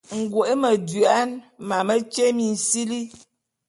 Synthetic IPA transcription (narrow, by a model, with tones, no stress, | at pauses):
ŋ̩˨ɡwo˨ʔe˦mə˨dɥe˨a˦nma˨mə˦t͡ʃe˦mi˨n̩˨si˦li˦